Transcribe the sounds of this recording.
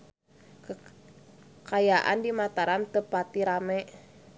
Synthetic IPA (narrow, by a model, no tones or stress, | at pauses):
kajaʔa̰ndimat̪aɾamt̪əpat̪iɾamɛʔ